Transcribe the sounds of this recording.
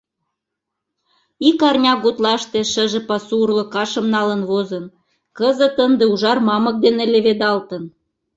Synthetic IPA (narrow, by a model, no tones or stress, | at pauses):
ikɑrnʲɑɡut̪lɑʃt̪ĕʃə̆ʒĕpɑsuurlŏkɑʃə̆mnɑlə̆nβozən | kəzə̆t̪ənd̪ĕuʒɑrmɑmɤ̆k̚d̪enĕleβed̪ɑlt̪ə̆n